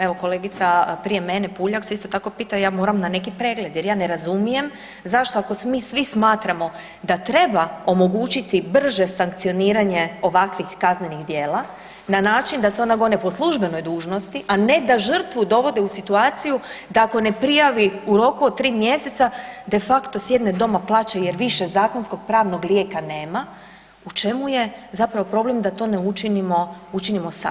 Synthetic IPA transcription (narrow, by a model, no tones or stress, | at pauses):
eʋo̞ko̞le̞ːɡit̪sapɾije̞menepuːʎakseist̪o̞t̪ako̞piːt̪ajaːmo̞ːɾamnane̞kipɾe̞ːɡle̞d̪je̞ɾjaːne̞ɾazumije̞m | zaʃt̪o̞ako̞smiːsʋismaːt̪ɾamo̞ | d̪at̪ɾe̞bao̞mo̞ɡuːt͡ʃit̪ibr̩ʒe̞saŋk̚t̪sijo̞niːɾaɲe̞o̞ʋakʋixkazne̞niɣd̪je̞ːlˠa | nanaːt͡ʃind̪aseo̞naɡo̞nepo̞slˠuʒbe̞no̞jd̪uːʒno̞st̪iʔane̞d̪aʒr̩t̪ʋud̪o̞ʋo̞d̪eusit̪uaːt̪sijud̪aako̞ne̞pɾijaʋiuɾo̞kuod̪̚t̪ɾiːmje̞se̞t̪sad̪e̞fakt̪o̞sje̞d̪ne̞d̪o̞maplˠaːt͡ɕeje̞ɾʋiʃe̞zaːko̞nsko̞ɡ̥̚pɾaːʋno̞ɡlʲje̞ːkane̞ːma | ut͡ʃe̞muje̞zapɾaʋo̞pɾo̞blemd̪at̪o̞ːneut͡ʃinimout͡ʃinimo̞sa̰